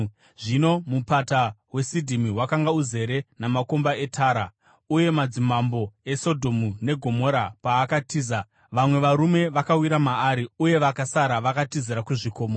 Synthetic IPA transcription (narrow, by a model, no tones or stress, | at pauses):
ʐino̞mupatawe̞sidʱimiɦwakaŋɡauze̞ɾe̞namako̞mbae̞tʰaːɾa | uje̞mad͡zimambo̞e̞so̞dʱo̞mune̞ɡʱo̞mo̞ɾapaːkatiːza | ʋamwe̞ʋaɾume̞ʋakawiɾamaːɾiuje̞ʋakasaɾaʋakatiziɾakuʐiko̞ːmo